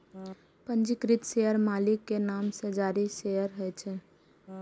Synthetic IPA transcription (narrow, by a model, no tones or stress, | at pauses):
pənd͡ʒikɾit̪seəɾmalikːenamsə̃d͡ʒaːɾisejəɾɦəjt͡ʃʰɛ